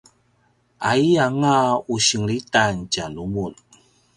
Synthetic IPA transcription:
ʔaiaŋauɕəŋɾitancalumun

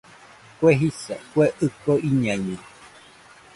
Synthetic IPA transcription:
kweɦisakweʔɨkoiɲãɲɨ̃

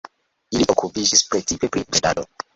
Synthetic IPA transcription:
iliʔokupid͡ʒispɾetipepɾiɾeda̰do

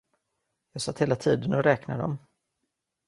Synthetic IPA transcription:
jɑːɡsat̪heːlat̪ʰiːd̪ənɔɾɛːknad̪ɔ̰m

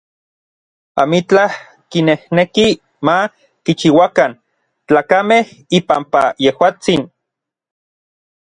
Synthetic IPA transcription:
a̰mit͡ɬah | kinehneki | ma | kit͡ʃiwakan | t͡ɬaːkameh | ipampajehwaːt͡sin

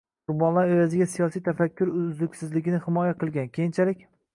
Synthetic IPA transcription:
ʊɾbɒnlˠaɾejazɪɡʲasijɒsijt̪ʰafakʲʰːʊɾzɪkʲsɪzlɪɡʲɪnɪhɪmɒjaqʰɨlˠɡʲankʲʰejɪnt͡ʃʰalɪkʲ

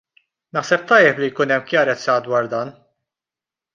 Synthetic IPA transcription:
nɐħsɛp̚t̪ɐjːɛplijkuːnɛmːkjɐɾɛt͡sːɐd̪wɐːɾd̪ɐːn

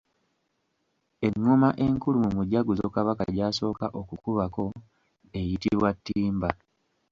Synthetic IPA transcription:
e̞ŋːomaʔe̞ŋkulumumuɟaɡuzokaβakaɟaːso̞ːkaʔo̞kukuβako̞ | e̞jitiβwatːiːmba

